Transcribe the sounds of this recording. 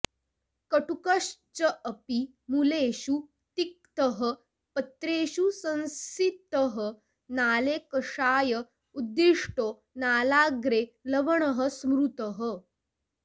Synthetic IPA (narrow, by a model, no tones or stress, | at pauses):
kəʈukəʂt͡ɕəʔəpi | muleːɕu | t̪ik̚t̪əɦə | pət̪ɾeːɕusə̃ñsit̪əɦə | naːlekɐʂaːjə | ud̪ːiʂʈoː | naːlaɡɾeləʋəɳəɦəsmɾut̪əɦə